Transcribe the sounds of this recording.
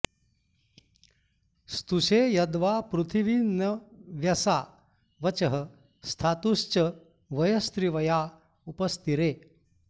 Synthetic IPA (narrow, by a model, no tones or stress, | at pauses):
st̪uʃeːjɐd̪ʋaːpɾut̪ʰiʋinɐʋjɐsaː | ʋɐt͡ʃɐɦə | st̪ʰaːt̪uʃt͡ʃɐ | ʋɐjɐst̪ɾiʋɐjaː | upɐst̪ʰiɾeː